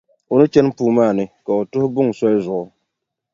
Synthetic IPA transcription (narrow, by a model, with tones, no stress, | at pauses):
ʊ˨nɨ˦t͡ʃɛ˦npuː˦maː˦˨nɨ˦ka˨o˨tʊ˦hʊ˦bʊ˦ŋ˨sɔ˦lɪ˦zʊ˨ʔʊ˦